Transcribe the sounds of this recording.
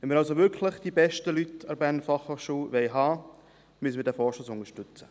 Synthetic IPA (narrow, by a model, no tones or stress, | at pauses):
ʋɛnmiːɾɑls̬oʋʏɾkʰləχd̥ibɛʃtəlytɑɾbæːɾnəfɑχhofʃuːʋɛɪɦɑː | mysəmɪdɛfɔːʃoːsʊnəʃtʏt͡sə